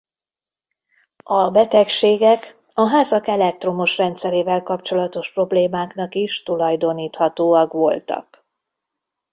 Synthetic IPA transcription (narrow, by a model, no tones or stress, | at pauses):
ɒbɛt̪ɛkʃeːɡɛk | ɒɦaːzɒkɛlɛk̚t̪ro̞mo̞ʃrɛnt̪sɛɾeːvɛlkɒp̚t͡ʃo̞lɒt̪o̞ʃpro̞bleːmaːknɒkiʃt̪ulɒjd̪o̞niːt̪hɒt̪oːɒkʋo̞lt̪ɒ̰k